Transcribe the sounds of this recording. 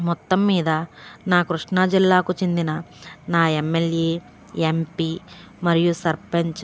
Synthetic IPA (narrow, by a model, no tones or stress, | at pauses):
mɔt̪ːɐmːiːd̪ɐnaːkɾuʂɳaːd͡ʒilːaːkut͡ʃend̪inɐnaːemːeljeː | empi | mɐɾijusɐɾpɐɲt͡ʃ